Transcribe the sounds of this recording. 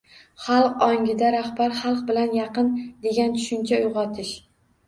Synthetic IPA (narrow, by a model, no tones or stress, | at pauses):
χɑlˠqɒŋʲɪd̪aɾahbaɾχɑlˠq̚bɪlanjɑqɨnd̪e̞ɡʲant̪ʰʊ̥ʃɪnt͡ʃʰaʊjʁɑt̪ʰɪʃ